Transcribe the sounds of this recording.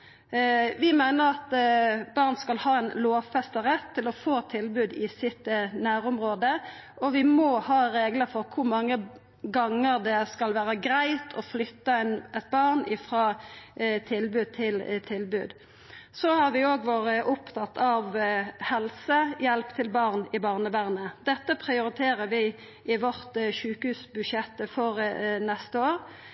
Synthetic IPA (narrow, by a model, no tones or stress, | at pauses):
ʋɪmæɪnəɾɑt̪bɑʁnskɑlhɑːɛnloːʋfɛst̪əʁɛt̪ʰːɪlɔfoːt̪ʰɪlbʉːd̪ɪsɪt̪næːɾʊmɾoːd̪ə | ʔɔʋɪmɔhɑːɾeːɡləfɔɾkʰʊɾmɑŋːə | ɡɑŋːəɾd̪ɛskɑlʋæːɾəɡɾæɪt̪ʰɔflʏt̪ːəɛnʔɛt̪̚bɑʁnɪfɾɑː | t̪ʰɪlbʉːd̪̚t̪ʰɪlt̪ʰɪlbʉ̰ːd̪ | sɔhɑɾʋɪoːɡʋoːɾəʔʊpt̪ʰɑt̪ʰːɑʋhɛlsəjɛlpt̪ʰɪlbɑʁnɪbɑːʁnəʋæʁnəd̪ɛt̪ːəpʰʁɪʊɾɪt̪ʰeːɾəɾʋɪ | ɪʋɔʁt̪ʃʉːkhʉːsbʉʃjɛt̪ːəfɔɾnɛst̪əoːɾ